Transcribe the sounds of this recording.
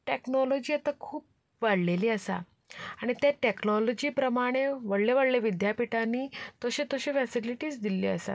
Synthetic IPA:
ʈeknɔlɔd͡ʑiːat̪akʰuːp̚ | ʋaɽleliːəsa̰ | aɽ̃it̪jaʈeknɔlɔd͡ʑiːpɾəmaɽ̃eʋəɽleʋəɽleʋid̪japiʈaniːt̪əɕit̪əɕiːfɛsiliʈiːsd̪ilḭːəsa̰

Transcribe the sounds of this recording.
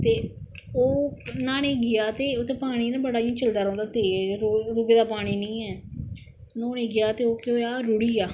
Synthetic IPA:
t̪eː | oːnaːneːɡɪjaːt̪eːoːt̪eːpaːɽ̃iːnãːbəɽaːjãːt͡ʃəld̪aːɾãːnd̪aːt̪eːɾoːɡeːd̪aːpaːɽ̃iːnĩːɛː | nõːnẽːɡɪjaːt̪eːoːkoːjaːɾʊɽiːaː

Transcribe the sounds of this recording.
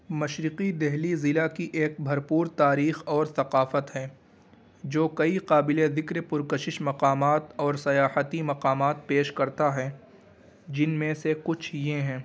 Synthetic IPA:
mɐʃɾɪqid̪ɛɦlizɪlakiʔeːk̚bʱɐɾpuːɾt̪aːɾiːxɔːɾθɐqaːfət̪ɦɛː | d͡ʒoːkɐiqaːbɪled̪ɪkɾepʊɾkəʃɪʃmɐqaːmaːt̪ɔːɾsɐjaːhət̪imɐqaːmaːt̪̚peːʃkɐɾt̪aɦɛː | d͡ʒɪnmẽsekʊt͡ʃʰjeɦɛ̃ː

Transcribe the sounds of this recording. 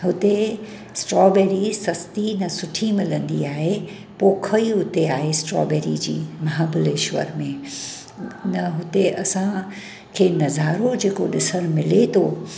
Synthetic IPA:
ɦʊt̪e | sʈɾɔːbeːɾisɐst̪inɐsʊʈʰimɪlə̃nd̪iaːɦe | poːkʰəiɦʊt̪eaːɦesʈɾɔ̰ːbeːɾḭd͡ʑḭːmɐɦaːbʊleʃʋə̰ɾmẽ | nɐɦʊt̪eɐsã | kʰeːnɐzaːɾod͡ʑeːkoɗɪsəɽ̃mɪlet̪ʰoː

